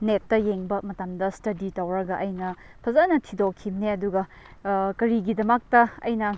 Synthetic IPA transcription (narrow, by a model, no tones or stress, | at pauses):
netːɐjeŋbɐmɐtamdɐstɐditɐwɾɐɡɐʔɐjnɐ | pʰɐzanɐtʰidokʰimneɐduɡɐ | kɐɾiɡidɐmɐk̚tɐɐ̰jnɐ